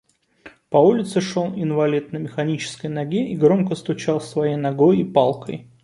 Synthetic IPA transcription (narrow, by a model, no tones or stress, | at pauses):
pɐulʲɪt̪sɨʂo̞lˠɪnvɐlʲit̪̚nəmʲɪxɐnʲit͡ɕɪ̥skəjnɐɡʲeʔiɡɾo̞mkəst̪ʊt͡ɕalˠsvɐjejnɐɡo̞jɪpɑlˠkə̰j